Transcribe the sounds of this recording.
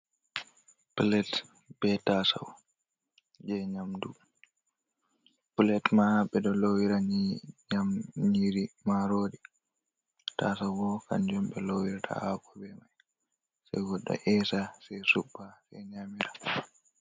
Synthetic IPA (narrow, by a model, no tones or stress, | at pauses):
plɛt | bɛtasa̰w | d͡ʒɛɲamdu | pulɛtmahaɓɛɗɔlowiɾaɲɲamɲiɾimaɾoːdi | ta̰sawbɔka̰nd͡ʒɔmɓɛlowiɾtʰa̰hakɔbɛmaj | sa̰jɡɔɗːa̰ʔɛsasɛjsuɓːasɛɲamiɾa